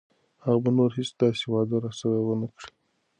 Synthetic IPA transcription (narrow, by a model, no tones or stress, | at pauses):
haɣabanoɾɦisd̪ɑsewɑd̪aɾɑsaɾawənakɽi̥